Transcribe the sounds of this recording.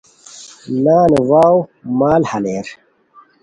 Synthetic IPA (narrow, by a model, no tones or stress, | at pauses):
naːnewaːwmaːlhɐleːɾ